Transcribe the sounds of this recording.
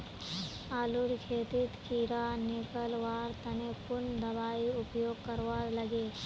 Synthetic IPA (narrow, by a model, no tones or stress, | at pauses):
aːlʊɾkʰeːt̪ɪt̪kʰiːɾaneːkəlʋaːɾt̪ɐnepʊnd̪ɐbaːiʊpjoːɡ̚kɐɾʋaːɾlɐɡeː